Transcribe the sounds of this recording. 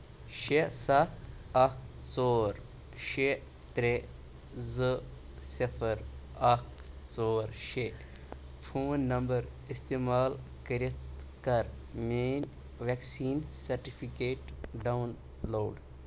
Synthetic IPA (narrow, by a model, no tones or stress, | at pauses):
ʃesat̪ʰɐkʰ | t͡soːɾ | ʃe | t̪ɾe | zɨ | sipʰəɾ | akt͡soːɾʃe | pʰoːnːɐmbəɾ | ist̪eːmaːlkəɾit̪ | kɐɾ | meːn | ʋeksiːnsɐɾʈipʰikeːʈɖawn | loːɖ